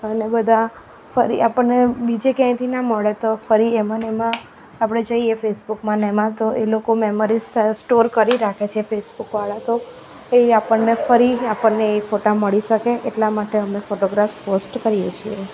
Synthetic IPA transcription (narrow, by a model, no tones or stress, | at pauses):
ənebəd̪ʱa | fəɾḭʔapəɳnebid͡ʒekɛ̃j̃t̪ʰinaməɭet̪ofəɾiemənemãː | pɽ̃ed͡ʒəiefesbukmãnɛmãt̪oʔelokomeməɾizsʈoɾkəɾiɾakʰet͡ʃʰefesbukʋaɭat̪o | eapəɳnefəɾiapəɳneːfoʈaməɭiʃəkeʔeʈlamaʈeəmefoʈoɡɾafsposʈkəɾijet͡ʃʰie